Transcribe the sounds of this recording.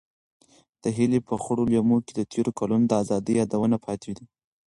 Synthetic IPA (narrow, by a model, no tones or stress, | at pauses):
d̪̥əɦilepəxʊɽoljamoked̪ət̪ʰeɾokalonod̪əazɑd̪əjɑd̪awənapʰɑt̪ʰed̪i